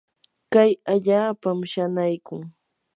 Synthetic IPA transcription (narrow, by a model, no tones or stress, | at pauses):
kajaʎaːpamʃanajkʊŋ